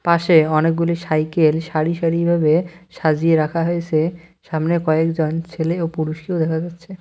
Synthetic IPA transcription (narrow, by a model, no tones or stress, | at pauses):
paʃeɔnek̚ɡuliʃajkelʃaɾiʃaɾibʱabeʃad͡ʑieɾakʰaɦoet͡ɕʰe | ʃamnekɔekd͡ʑont͡ɕʰeleopuɾuʃkeod̪ɛkʰad͡ʑatːɕʰe